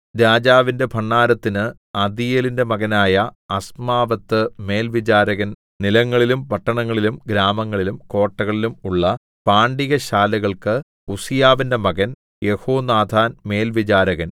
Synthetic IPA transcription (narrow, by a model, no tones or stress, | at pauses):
ɾaːd͡ʑaːʋinde̞pʰɐɳːaːɾɐt̪ːinɨ | ɐd̪ijeːlinde̞mɐɣɐnaːjɐɐsmaːʋɐt̪ːɨme̞ːlʋid͡ʑaːɾɐɣɐn | nilɐŋːɐɭilumpɐʈːɐɳɐŋːɐɭilumɡɾaːmɐŋːɐɭilumko̞ːʈːɐɣɐɭilumuɭːɐ | paːɳɖiɣɐɕaːlɐɣɐɭkɨ | usijaːʋinde̞mɐɣɐn | je̞hoːnaːd̪ʱaːnme̞ːlʋid͡ʑaːɾɐɣɐn